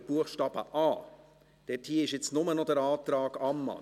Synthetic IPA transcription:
b̥uəxʃtɑːb̥ə̰ʔɑː | d̥ɛthiːɪʃjɛt͡snʊmənɔd̥ɛɾɑːt̪ɾɑːɡɑmːɑ̰

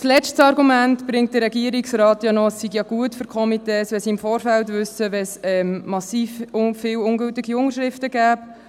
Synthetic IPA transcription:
slɛt͡ʃtsɑɾɡumæntb̥ɾɪŋt̚d̥əɾːɛɡiəɾiksɾɑːtjɑnɔɛsːiɡjɑɡ̥uətfʏɾkʰɔmitɛːsʋɛlsiɪmfɔːɾfæltʋʏsəʋɛsɛmmɑsiːffɪːwʊŋɡɵltɪɡiʊŋəɾʃɾɪftəɡæːp

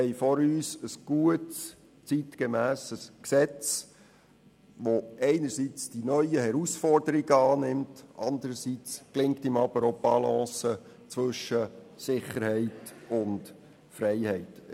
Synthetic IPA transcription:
ɛɪfɔɾyːsəsɡ̥uəts | t͡sitkemæːsəsksɛt͡s | ʋoɛɪnəsit͡sd̥inœʏəhɛɾusfɔrdəɾiɡəɑːnɪmtʔɑnd̪əɾəsit͡sklɪŋk̚tɪmɑb̥əɾob̥ɑlɑ̃ːsə | t͡sʋɵʃə | sɪχəɾhɛɪtʊnt | fɾɛɪhɛɪt

